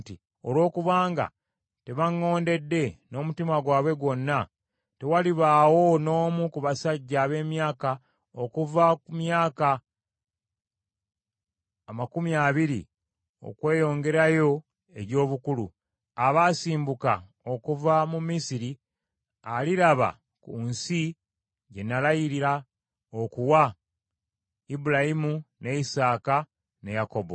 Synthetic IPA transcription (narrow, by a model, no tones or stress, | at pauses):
ti | o̞lwo̞ːkuβaːŋɡa̰ | te̞βaŋːo̞ːnde̞dːe̞no̞ːmutimaɡwaːβwe̞ɡwo̞nːa | te̞waliβaːwo̞no̞ːmukuβasaɟːaːβe̞ːmjaːka | okuvakumjaːka | makumiaːβiɾḭ | o̞̰kwe̞ːjo̞ːŋɡe̞ɾajo̞ | e̞ɟo̞ːβukulu | aβaːsiːmbuka | o̞kuvamumisiɾi | aliɾaβa̰ | kunsi | ɟe̞nːalajiɾiɾa | okuwa | ibuɾajimune̞isaːka | ne̞jako̞bo̞̰